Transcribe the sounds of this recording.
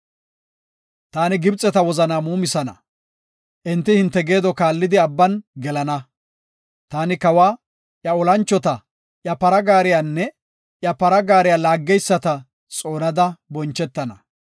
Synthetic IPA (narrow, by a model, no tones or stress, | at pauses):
t̪aːnɪɡɪbt͡sʼɛt̪ɐwɔzɐnaːmuːmɪsɐnɐ̰ | ʔɪnt̪ːɪhɪnt̪ːɛɡe̞ːd̪ɔkaːlːɪd̪ɪɐbːɐnɡɛlɐnɐ | t̪aːnɪkɐwaː | ʔjɐɔlɐnt͡ʃːɔt̪ɐ | ʔjɐpɐɾɐɡaːɾɪjaːnːɛ | ʔjɐpɐɾɐɡaːɾɪjaːlaːɡːɛjsːɐt̪ɐ | t͡sʼo̞ːnɐd̪ɐbɔnt͡ʃːɛt̪ːɐnɐ